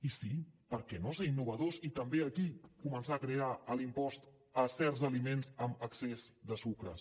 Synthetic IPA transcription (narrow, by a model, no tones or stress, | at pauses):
isipəɾkɛnoseinːuβ̞əðozit̪əmbeəkikumənsaəkɾeaəlimpɔst̪ | əsɛɾzəlimenzəməksezd̪əsukɾə̰